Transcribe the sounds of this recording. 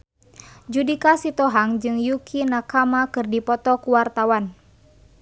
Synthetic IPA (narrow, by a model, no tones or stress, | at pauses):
d͡ʒudikasit̪ɔɦaŋd͡ʒɨŋjukʰinakamakɨrdipɔt̪ɔkuwart̪awan